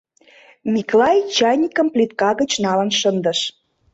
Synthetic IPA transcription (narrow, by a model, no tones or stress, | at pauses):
miklɑjt͡ɕɑjnʲikə̆mplʲit̪̚kɑɣət͡ɕnɑlə̆nʃənd̪ə̆ʃ